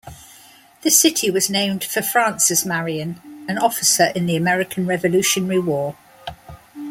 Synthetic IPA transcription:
ðəsɪtʰiwɒznẽɪ̃md̥fəfɹɑ̃ˑnsɪsmaɹiə̃nə̃nɒfɪsəɹʔɪ̃nðiəmɛɹɪkʰə̃nɹɛvəlʉˑʃə̃nəɹiwɔː

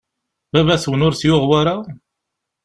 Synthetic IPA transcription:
bævæswənʊɾsjʊʁwaɾa

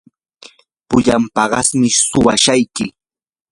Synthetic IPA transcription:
pʊʎampɑɢɑsmɪsʊwaʃajkɪ

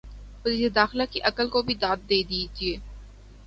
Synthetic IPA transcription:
pʊliːsed̪aːxɪlakiʔɐkəlkobʱid̪aːt̪̚d̪eːd̪id͡ʒieː

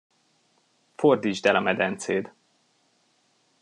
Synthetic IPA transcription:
fo̞rd̪iːd͡ʒd̪ɛlɒmɛd̪ɛnt̪seːd̪

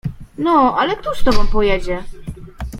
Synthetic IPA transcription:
nɔʔalɛkt̪u̥st̪ɔbɔ̃mpɔjɛd͡ʑɛ

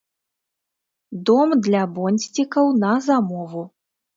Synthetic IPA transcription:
d̪ɔmd̪lʲabɔnʲsʲt͡sʲikɐwnɐzamɔvu

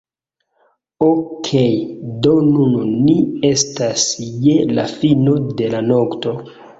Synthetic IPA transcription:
okʰejdo̞nunnie̞stasjela̰fino̞de̞lanokto̞

